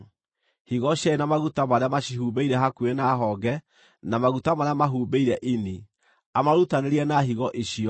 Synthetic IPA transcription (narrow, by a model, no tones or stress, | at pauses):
hiɣɔɕjaenamaɣutamaɾeamaɕiɦuːbeiɾɛɦakuenaɦɔɡɛ | namaɣutamaɾamaɦuːbeiɾɛʔini | amaɾutaneɾiɛnaɦiɣɔʔeɕiɔ